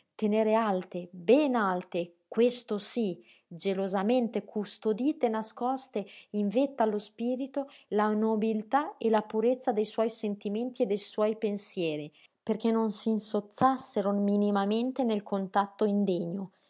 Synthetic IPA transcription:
t̪eneːɾealt̪ebɛnalt̪e | kwest̪osi | d͡ʒelozament̪ekʰust̪od̪iːt̪enaskɔst̪eiɱvet̪ːalospiːɾit̪olanobilt̪aelapuɾet̪sːad̪ejswɔjsent̪iment̪ied̪ːejswɔjpensjɛːɾi | perk̟enonsinsot̪sːasːeɾominimament̪enelkʰont̪at̪ːoind̪eɲo

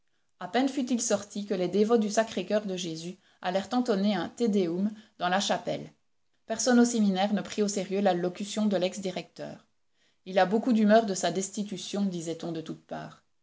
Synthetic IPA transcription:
apɛnfyt̪ilsɔʁt̪ʰikəlɛd̪evɔd̪ysakχekʲœʁd̪əʒezy | alɛʁt̪ɑ̃t̪ɔneɛ̃t̪ed̪eumd̪ɑ̃laʃapɛ̰l | pɛʁsɔnosɛminɛːʁnəpχioseʁjølalɔkʲysjɔ̃d̪əlɛksd̪iʁɛk̚t̪œ̰ːʁ | ilabokud̪ymœːʁd̪əsad̪ɛst̪it̪ysjɔ̃d̪izɛt̪ɔ̃d̪ət̪ut̪̚pa̰ːʁ

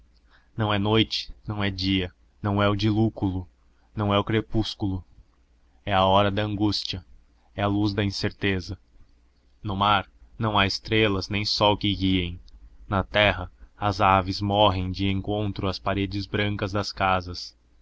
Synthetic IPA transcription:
nɐ̃w̃ɛnojt͡ʃɪ̥nɐ̃w̃ɛd͡ʒiɐ | nɐ̃w̃ɛʊd͡ʒilukulʊ | nɐ̃w̃ɛʊkɾepuskulʊ | ɛɐɔɾɐd̪ɐɐ̃ŋɡust͡ʃiɐ | ɛɐluzd̪ɐĩseɾt̪ezɐ | nʊmaɾnɐ̃w̃aɪst̪ɾelɐznẽj̃sɔwkɪɡiẽj̃nɐt̪ɛɦɐɐzavɪzmɔɦẽj̃d͡ʒɪẽŋkõnt̪ɾʊɐspaɾed͡ʒɪzbɾɐ̃ŋkɐzd̪ɐskazɐs

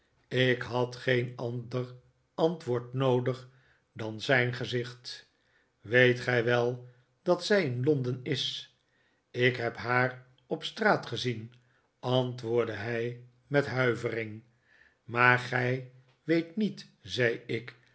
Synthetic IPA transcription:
ɪkɦɑtχejnɑndər | ɑntʋʊːɹtnowdəχ | dɑnzɛjnχəzɪχt | ʋejtχɛjʋɛlˠ | d̥ɑtsɛjɪnlɔndənɪs | ɪkɦɛpɦaːr | ɔpstraːtχəzin | ɑntʋʊːɹdəɦɛj | mɛtɦœɥvərɪŋ | maːɹχɛj | ʋejtnitz̥ɛjɪk

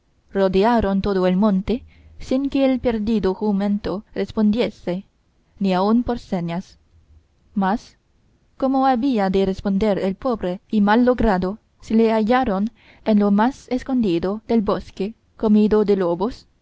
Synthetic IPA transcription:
rod̪eaɾont̪oðoelmõnt̪esiŋkeːlpeɾd̪id̪oxumẽnt̪orespond̪jese | niaunpoɾseɲas | mas | komoaβiad̪erespo̞nd̪eɾelpobɾeimalːoɡɾaðo | seleaʝaɾon | enlomasesko̞nd̪iðod̪elboske | komid̪od̪elobos

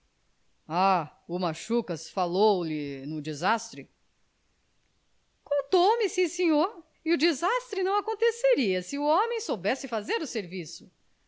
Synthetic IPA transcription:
aʊmaʃukɐsfalowlɪnʊd͡ʒizast̪ɾɪ | kõnt̪owmɪsĩsẽɲoɾ | ɪʊd͡ʒizast̪ɾɪnɐ̃w̃akõnt̪eseɾiɐsɪʊõmẽj̃sowbɛsɪfazeɾʊseɾvisʊ̥

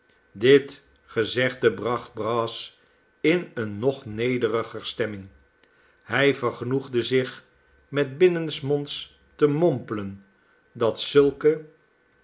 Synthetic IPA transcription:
dɪt | χəzɛχdəbrɑχd̚brɑːs | ɪnənːɔχnejdərəχəɹstɛmɪŋ | hɛjvəɹχənuχdəzɪχ | mɛd̚bɪnənsmɔnts | təmɔmpələn | dɑtsɵlˠkə

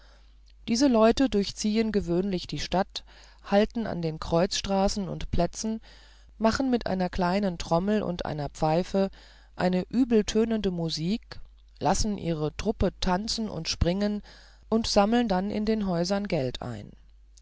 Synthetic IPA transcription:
d̥iːzəlɔʏtədʊɐçt͡siːənɡəvøːnlɪçd̥iːʃtat | haltn̩a̰ndeːnkʁ̥ɔʏt͡sʃtʁ̥aːsn̩ʊ̰ntpl̥ɛt͡sn̩ | maχn̩mɪtʔa̰ɪnɐkl̥aɪnəntʁ̥ɔml̩ʔʊ̰ntʔa̰ɪnɐpp͡faɪfə | ʔaɪnəʔyːbl̩tʰøːnəndəmuziːk | lasn̩ʔḭːʁ̞ətʁ̥ʊpətʰant͡sn̩ʊ̰ntʃpʁ̥ɪŋən | ʔʊntz̥aml̩əndanɪ̰ndeːnɦɔʏzɐnɡɛltʰa̰ɪn

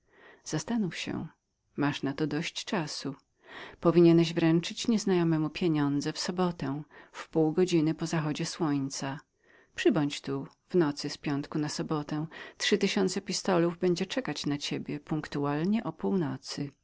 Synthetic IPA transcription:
z̥ast̪anufɕɛ̰ | maʂnat̪ɔd̪ɔɕt͡ɕt͡ʂasu | pɔvʲiɲɛnɛʑvɾɛnt͡ʂɘt͡ɕɲɛznajɔmɛmupʲjeɲɔnd̪zɛfsɔbɔt̪ɛfpuwɡɔd͡ʑinɘpɔzaxɔd͡ʑɛswɔɲt̪sa | pʂɘbɔɲt͡ɕt̪u | vnɔt̪sɘspʲjɔnt̪kunasɔbɔt̪ɛ̃tʂɘt̪ɘɕɔnt̪sɛpʲist̪ɔluvbɛɲd͡ʑɛt͡ʂɛkat͡ɕnat͡ɕebʲjɛpuŋkt̪ualɲɛʔɔpuwnɔt̪sɨ

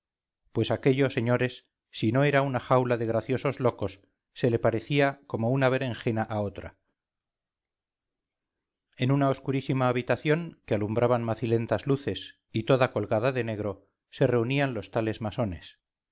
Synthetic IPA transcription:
pwe̞sake̞ʎo̞se̞ɲo̞ɾe̞sː | ino̞eɾaunaxawlaðe̞ɣɾaθjo̞so̞zlo̞ko̞sː | e̞le̞paɾe̞θiako̞mo̞unaβe̞ɾeŋxe̞naʔao̞t̪ɾa̰ | e̞nunao̞skuɾisimaːβ̞it̪aθjo̞ŋkealumbɾʔaβanmaθile̞nt̪azluθe̞s | it̪o̞ðako̞lɣaðaðe̞ne̞ɣɾo̞ | se̞re̞unianlo̞st̪ale̞zmaso̞ne̞s

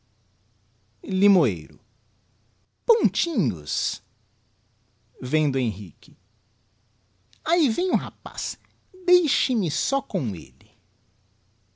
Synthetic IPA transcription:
limoḛjɾʊ̰ | põnt͡ʃĩɲʊ̰s | vẽd̪ʊẽj̃ɦḭkɪ | aivẽɲʊɦapa̰s | d̪ejʃɪmɪsɔkõw̃ḛlɪ

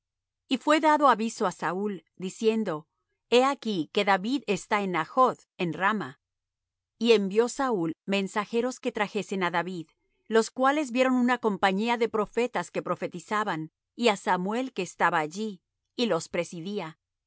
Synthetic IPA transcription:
ifwe̞ðaðo̞aβiso̞asauld̪isje̞nd̪o̞ | e̞akike̞ðaβiðe̞st̪aenaxo̞ð | enrama | ie̞mbjo̞saulmẽ̞nsaxe̞ɾo̞ske̞t̪ɾaxe̞se̞naðaβið | lo̞skwale̞zbje̞ɾo̞nunako̞mpaɲiaðe̞pɾo̞fe̞t̪aske̞pɾo̞fe̞t̪isaβan | iasamwe̞lke̞ːst̪aβaːʝiː | lo̞spɾe̞siðia

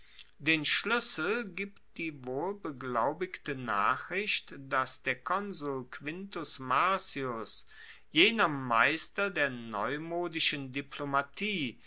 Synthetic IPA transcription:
d̥eːnʃlʏsl̩ɡiːptd̥iːvoːlbəɡlaʊbɪktəna̰ːχʁ̥ɪçtd̥asd̥eːɐkʰɔnzulkv̥ɪntʊsmaɐsiʊs | jeːnɐmaɪstɐdeːɐnɔ̰ʏmoːdɪʃəndiplomatʰiː

